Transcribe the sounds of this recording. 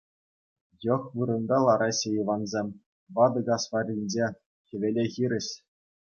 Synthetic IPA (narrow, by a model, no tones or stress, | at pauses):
jɤ̆χʋɯɾɤ̆nd̪ɑlˠɑɾɑɕejiʋɑnzʲemʲ | ʋɑd̪ɤ̆ɡɑsʋɑrʲinʲd͡ʑe | xʲɘ̆ʋʲelʲexʲiɾʲɘ̆ɕ